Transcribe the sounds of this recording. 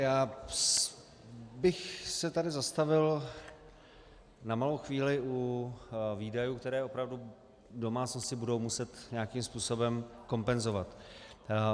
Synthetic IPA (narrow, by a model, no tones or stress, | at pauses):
jaː | bɪxsɛt̪adɪzast̪avɪl | namalowxviːlɪʔu | viːdajuːkt̪ɛɾɛːʔo̞pɾavdu | do̞maːt͡snoscɪbudowmusɛt̪ɲaːkimspuːso̞bɛmko̞mpɛnzo̞vat̪